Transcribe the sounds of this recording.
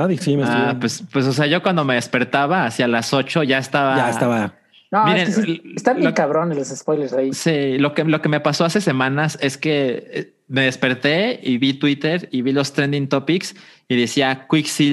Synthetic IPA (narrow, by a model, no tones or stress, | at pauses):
aðisimesapwespwes̬o̞s̬e̞aʝo̞kwand̪o̞me̞ðe̞spe̞ɾt̪aβaːsjalaso̞t͡ʃo̞ʝaest̪aβaaestaβa | nomiɾeɾeseiest̪aβjeŋkaβɾonelosespojleɾsaisilo̞kelo̞ke̞me̞paso̞ase̞se̞mãnase̞ske̞ | me̞ðe̞spe̞ɾt̪e̞iβit̪wit̪e̞ɾiβilo̞st̪ɾend̪int̪o̞piks | iðesiakwiksi